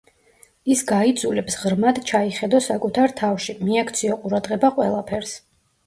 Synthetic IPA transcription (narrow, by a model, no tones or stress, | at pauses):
isɡaid̪zulɛpsʁɾmad̪t͡ʃʰaiχɛd̪ɔsakʼut̪ʰaɾt̪ʰafʃimiakʰt̪sʰiɔqʼuɾad̪ʁɛbaqʼwɛ̰lˠapʰɛɾs